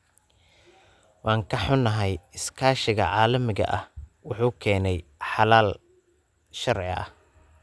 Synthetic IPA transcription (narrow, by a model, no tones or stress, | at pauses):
wɑːŋkʰɐħʊnːɐɦɛjɪskʰaːʃɪɣɐ̰ʕaːlɐmɪɣɐ̰ʔɐhwʊħuːkʰɛːnɛjħɑlaːl | ʃɐrʕɪ̰ɐ̰h